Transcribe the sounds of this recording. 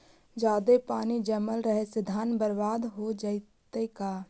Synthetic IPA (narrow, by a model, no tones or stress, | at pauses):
d͡ʒaːd̪epaːnid͡ʒəməlɾəɦesɪd̪ʱaːnbəɾbaːd̪ɦod͡ʒaɪt̪ekaː